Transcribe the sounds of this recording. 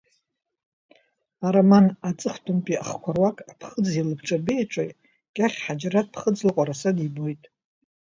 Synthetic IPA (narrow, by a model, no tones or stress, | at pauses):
aɾamanat͡sʼɨχtʰʼʊmpʼiaχkʷʰarwakʼapʰχəd͡zilɨbʰʈ͡ʂʼabejʈ͡ʂʷʼa̰jʼ | ɡ̥ʲʼaχʲħad͡ʒrat̚pʰχəd͡zlɨqʷʼaɾasadibo̞jtʼ